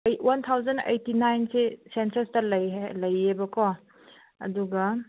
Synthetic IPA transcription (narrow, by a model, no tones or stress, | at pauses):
jwʔɐnt̪ʰawzɐnḛjtinajnsesensɐstɐlɐjlɐjːebɐkɔ | ɐ̰duɡɐ